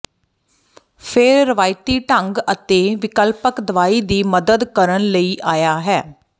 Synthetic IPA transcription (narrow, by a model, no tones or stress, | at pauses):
pʰɪɾːəʋaːɪt̪iːʈəŋɡət̪eːʋɪkəlpəkd̪əʋaːiːd̪iːməd̪əd̪kəɾənləiːʔaːjaːɦɛː